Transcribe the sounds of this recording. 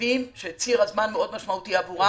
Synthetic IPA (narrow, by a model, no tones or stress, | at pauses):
imʃet͡siʁazmanmeo̞d̪maʃmaut̪iavuʁa